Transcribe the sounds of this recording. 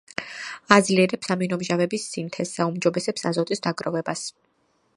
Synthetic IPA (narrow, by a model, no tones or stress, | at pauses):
ad̪zliɛɾɛpsaminɔmʒavɛbisːint̪ʰɛsaumd͡ʒɔbɛsɛpsazɔt̪ʼisd̪aɡɾɔvɛbas